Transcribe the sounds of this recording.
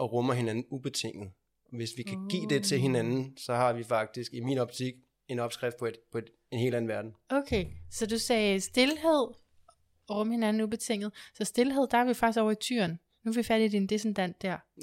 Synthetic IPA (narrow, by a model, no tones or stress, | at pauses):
ɒ̽ʁɔmɐɦe̝nænn̩ub̥e̝t͡sʰe̝ŋ̰ð̩ˠ | ɒʋe̝sʋikʰæɡ̥ḭːd̥e̝t͡sʰe̝lɦe̝nænn̩sɒ̽hɑ̈ʋifɑ̈ɡ̥̚d̥isɡ̥imḭːnɒ̽b̥t͡sʰiɡ̥ | e̝nɒ̽b̥sɡ̥ʁɛfd̥̚pɒ̥pʰɒ | e̝nhe̝ːlæn̩ʋæɐd̥n̩okʰeːsɒ̽dusɛːsd̥e̝lɦe̝ð̰ˠ | ɒʁɔ̽məhe̝nænn̩ub̥e̝t͡sʰe̝ŋ̰ð̞̩ˠsɒ̽sd̥e̝lɦe̝ð̰ˠd̥ɑæɐʋifɑ̈ɡ̥isɡ̥ɒʊ̰ɐit͡sʰy̰ɐn | nufeʋifæɾ̥id̥ind̥esend̥æn̰d̥ːæɐ̰